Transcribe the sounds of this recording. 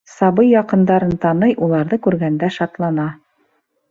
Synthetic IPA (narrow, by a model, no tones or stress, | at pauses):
sɑβɤjjːɑqɤ̆nd̪ɑɾɤnt̪ɑnɤjʔulˠɑɾðɤkʉɾɡænd̪æʃɑt̪lˠɑnɑ